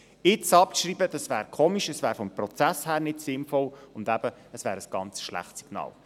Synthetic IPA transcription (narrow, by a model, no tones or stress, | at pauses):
ɪt͡sɑp̚ʃriːbəd̥ɑsvæːɾkʰoːmiʃəsvæːɾfɔmprɔt͡sæshæːɾnɪtsɪnfɔlʊndæb̥əəsvæːɾəsɡ̥ɑnt͡sʃlæ̰χtsiɡ̥nɑ̰ːl